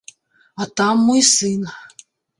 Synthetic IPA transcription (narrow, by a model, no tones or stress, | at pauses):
at̪amːojsɨn